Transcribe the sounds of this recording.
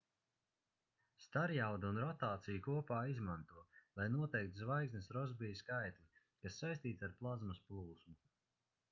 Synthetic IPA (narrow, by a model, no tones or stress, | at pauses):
st̪aɾjawd̪unɾɔt̪aːt̪sijukuɔpaːizmant̪uɔlˠajnuɔt̪ɛjk̚t̪zvajɡsnesɾɔzbijskajt̪lʲi | kasːajsʲt̪iːt̪saɾplˠazmɐsplˠuːsmu